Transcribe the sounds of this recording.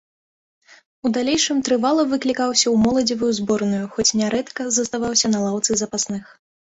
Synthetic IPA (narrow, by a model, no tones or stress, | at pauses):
ud̪alʲejʂɨmt̪ɾɨvalˠɐvɨklʲikawsʲɐwmɔlˠɐd͡zʲivujuzbɔrnujuxɔt͡sʲnʲɛɾʔɛt̪kɐzɐst̪avawsʲɐnɐlˠawt̪sɨzɐpasnɨx